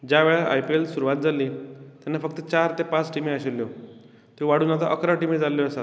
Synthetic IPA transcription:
d͡ʑjaʋɛɭaʔa̰jpielsuɾuʋat̪̚d͡zaliːt̪janːafəkt̪ət͡ɕaɾt̪epãt͡sʈimiaɕilːjo | t̪ĩʋaɽuːnat̪aʔəkɾaʈimid͡zalːjoəsa

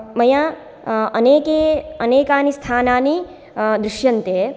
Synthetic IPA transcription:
mɐja | ɐneːkeːɐneːkaːnist̪ʰaːnaːni | d̪ɾuʃjɐnt̪eː

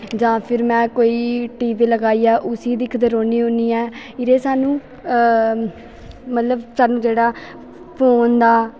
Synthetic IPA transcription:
d͡ʒãːpʰɪɾmɛ̃ːkoːiːʈiːʋiːləɡaːiːaːʔʊsiːd̪ɪkʰd̪əɾoːniːɦõːniːɛːɪɾeːsaːnũː | mət̪ləbsaːnũːd͡ʒeːɽaː | pʰoːnd̪aː

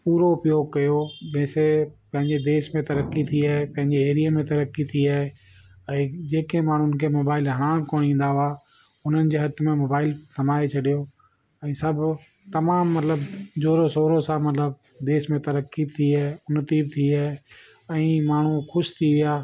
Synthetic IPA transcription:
puːɾoʊpjoːɡ̚kɐjod͡ʑɐ̃ːsepɐ̃ɦɪ̃ɲd͡ʑed̪eːʃmẽt̪ɐɾəkːit̪ʰiaːɦepɐ̃ɦɪ̃ɲd͡ʑeeːɾijəmẽt̪ɐɾəkːit̪ʰiaːɦe | ɛ̃ːd͡ʑeːkẽmaːɳ̤unkʰemoːbaːɪlɦɐɽ̃aːm̃koːɽ̃ĩːn̆d̪aɦʊa | ʊn̤ənɪ̆d͡ʑeːɦɐt̪ʰmẽmoːbaːɪlkɐmaːet͡ɕʰɐɗijo | ɛ̃ːsɐbʱ | t̪ɐmaːmːɐt̪ləbd͡ʑoːɾosoːɾosãmɐt̪ləb̚ | d̪eːʃmẽt̪ɐɾəkːibt̪ʰiaːeʊnət̪iːb̚t̪ʰiaːe | ɛ̃ːmaːɳ̤uxʊʃt̪ʰiʋɪjaː

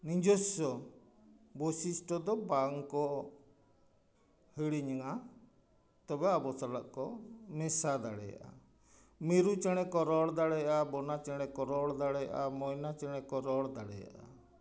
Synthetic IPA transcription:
nid͡ʒɔsɔ | bɔsisʈɔd̪ɔbaŋkɔ | hiɽiɲaŋa | t̪ɔbɛabɔsalaʔkɔmɛsad̪aɽɛ̰ja̰ʔa̰ | miɾut͡ʃɛɽ̃ɛkɔɾɔɽd̪aɽɛjaʔabɔnat͡ʃɛɽ̃ɛkɔɾɔɽd̪aɽɛja̰ʔa̰mɔjnat͡ʃɛɽ̃ɛkɔɾɔɽd̪aɽɛ̰ja̰ʔa̰

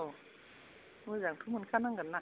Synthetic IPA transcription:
mɯzaŋtʰumunkʰanaŋɡanːa

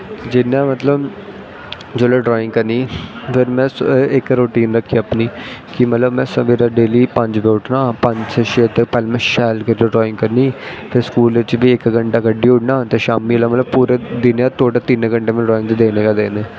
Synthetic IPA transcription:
d͡ʒɪnːãːmət̪ləb | d͡ʒoːlaːɖɾɔːɪ̃ŋkəɾniːpʰɪɾmɛ̃ːsɪkɾoːʈiːnɾəkʰːipniːkɪmət̪ləbmɛ̃ːsəʋeɾaːɖeːliːpəɲd͡ʒʋeːʊʈnaːpə̃ɲd͡ʒseʃet̪epɛːlmɛ̃ːʃɛːlkəɾiloɖɾɔːɪ̃ŋɡkəɾniːpʰɪɾskuːlɪt͡ʃbiːɪkɡəɳʈaːɡəɖːiːʊʈnãːt̪eːʃaːmiːlaːmət̪ləbpuːɾeːd̪ɪnjaːt̪ʰoːʈaːt̪ineɡəɳʈeːmɛ̃ɖɾɔːɪ̃ŋɡt̪ed̪eːneːkaːd̪eːneː

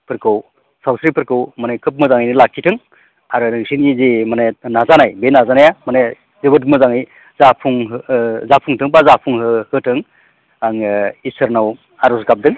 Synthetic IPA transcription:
pʰɯɾkʰɯw | sawsɾipʰɯɾkʰɯwmanekʰɯp̬̚mɯzaŋajnɯlakʰːitʰɯŋ | aɾɯnɯsinizimanenazanajbenazanajamane | zebɯtmɯzaŋɯj | zapʰuŋɦzapʰuŋtʰɯŋbazapʰuŋhɯhɯtʰɯŋ | aŋisɯɾnaw | aɾɔsɡap̚dɯŋ

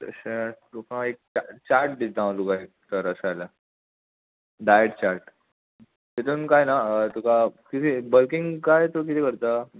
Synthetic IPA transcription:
t̪ə̰ɕe | okãek̚t͡ɕat͡ɕaɾʈ̚d̪it̪̚ãʋlukai | t̪əɾəsala | ɖajəʈt͡ɕaɾʈ | t̪et̪unkajnat̪ukakit̪ʰiːbəlkiŋɡkajt̪ok̬it̪ʰiːkəɾt̪a

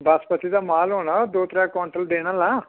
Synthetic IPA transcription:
bʱɐspɐt̪id̪ɐmaːloːɳɐd̪oːt̪ɾakoːɳʈɾɐld̪eːɳɐlːa

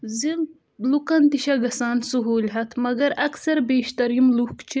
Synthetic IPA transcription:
zil | lukɐnt̪iʃɐɡɐsaːnsuɦuːlʲɦɐt̪ʰmɐɡɐɾɐksɐɾbeːʃt̪ɐɾimlukt͡ʃʰi

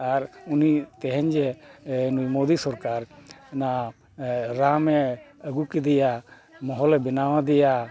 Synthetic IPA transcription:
aɾunit̪ɛɦɛɲd͡ʒɛnujmod̪isɔɾkaɾna | ɾamɛəɡukid̪ɛja | mɔɦɔlɛbɛnawad̪ɛja

